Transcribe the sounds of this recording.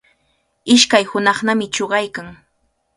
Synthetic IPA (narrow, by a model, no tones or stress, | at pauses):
ɪʃkajhʊnɑχnamɪt͡ʃoɢɑjkaŋ